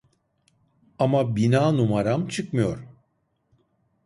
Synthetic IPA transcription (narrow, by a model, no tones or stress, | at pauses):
amabinaːnumaɾamt͡ʃʰɯkmɯjo̞ɾ